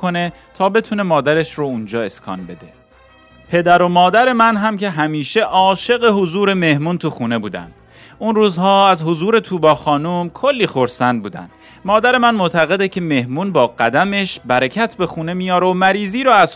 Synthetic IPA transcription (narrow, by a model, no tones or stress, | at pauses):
o̞ne̞ | t̪ʰɒːbe̞t̪ʰune̞mɒːd̪æɾeʃɾound͡ʒɒːe̞skʰɒ̰ːnbe̞d̪e̞ | pʰe̞d̪æɾo̞mɒːd̪æɾe̞mænɦæmcʰe̞ɦæmiːʃe̞ʔɒːʃe̞ɣeɦozuːɾe̞me̞hmunt̪ʰuxuːne̞buːd̪æ̰nd̪̥ | unruːzhɒːæzhozuːɾe̞t̪ʰuːbɒːxɒːnumkʰolːiːxo̞ɾsænd̪̚buːd̪æ̰nd̪̥ | mɒːd̪æɾe̞mænmoʔt̪ʰæɣe̞d̪ecʰe̞me̞hmuːnbɒːɢæd̪æme̞ʃbæɾecʰæt̪ʰbe̞xuːne̞mijɒːɾemæɾiːziːɾɔæz